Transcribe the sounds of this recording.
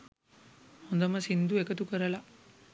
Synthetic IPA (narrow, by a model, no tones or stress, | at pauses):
hond̪ɐmɐsind̪uekɐt̪ukɐɾɐla